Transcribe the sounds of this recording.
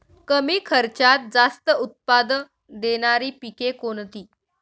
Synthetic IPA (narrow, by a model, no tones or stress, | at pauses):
kəmiːkʰəɾt͡ɕat̪̚d͡zast̪əut̪̚pad̪ | d̪eɽ̃aɾiːpikekoɳt̪iː